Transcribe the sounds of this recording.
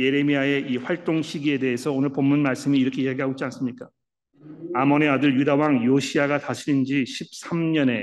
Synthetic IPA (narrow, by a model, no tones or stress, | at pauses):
je̞ɾe̞miae̞iɸwaɭt͈oŋɕʰiɡie̞de̞ɦesʰʌonɯɭpomːunmaɭs͈ɯmiːɾʌkʰe̞jaɡiɦaɡod͡ʑians͈ɯmɲik͈a | amʌne̞adɯɭjudawaŋjoɕʰiaɡataɕʰiind͡ʑiɕʰip̚s͈ʰamɲʌne̞